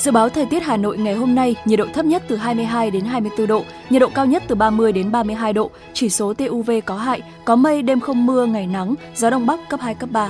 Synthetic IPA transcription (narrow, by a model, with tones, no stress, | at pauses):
zɨ̰˧˨ɓaː˨˦wt̪ʰə˨˩jt̪i˦˥ət̚haː˨˩no̰˧˨jŋa˨˩jɦo˧mna˧jɲ˨˩t̚ɗo̰˧˨t̪ʰə˦˥p̚ɲə˦˥t̚t̪ɨ˨˩ɦaː˧jmɨ˧əjɦaː˧jɗe˨˦nɦaː˧jmɨ˧əjt̪ɨ˧ɗo̰˧˨ | ɲi˨˩t̚ɗo̰˧˨kaː˧wɲə˦˥t̚t̪ɨ˨˩ɓaː˧mɨ˧əjɗe˨˦nɓaː˧mɨ˧əjɦaː˧jɗo̰˧˨ | t͡ɕi˧˩so˨˦t̪e˧ʔu˧ve˧kɔ˨˦ɦa̰ː˧˨j | kɔ˨˦mə˧jɗe˧mxə˧wŋ͡mmɨ˧əŋa˨˩jna˨˦ŋ | zɔ˨˦ɗə˧wŋ͡mɓa˦˥kːə˦˥p̚haː˧jkə˦˥p̚ɓaː˧˩